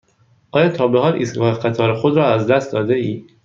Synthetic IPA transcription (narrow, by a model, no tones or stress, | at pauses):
ʔɒːjɒːt̪ʰɒːbeɦɒːlʔḭːstɡɒːhexæt̪ʰɒːɾexod̪ɾɒːæzd̪æst̪̚d̪ɒːd̪eiː